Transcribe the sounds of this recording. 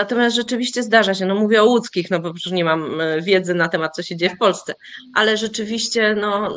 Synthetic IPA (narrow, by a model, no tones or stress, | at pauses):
nat̪ɔmʲjast̪ʐɛt͡ʂɘvʲiɕt͡ɕɛzd̪aʐaɕɛnɔmuvʲjɛɔwut̪skʲixnɔbɔpɾuʂɲɛmamvʲjɛd̪zɘnat̪ɛmat̪̚t̪sɔɕed͡ʑejɛfpɔlst̪sɛʔalɛʐɛt͡ʂɘvʲiɕt͡ɕɛnɔ